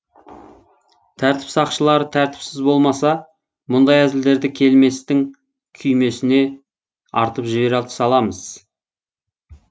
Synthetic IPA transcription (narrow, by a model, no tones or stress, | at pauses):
t̪ʰæɾt̪ɪ̥psɑqʃəlˠɑɾət̪ʰæɾt̪ɪ̥psɪzbo̞lˠmɑsɑ | mʊnd̪ɑjæd̪ɪld̪e̞ɾd̪ɪkʲʰe̞lme̞st̪ɪŋ | kʲʰʏjme̞sɪne̞ | ɑɾt̪əpʒɪβe̞ɾɑlˠəsɑlˠɑməz̥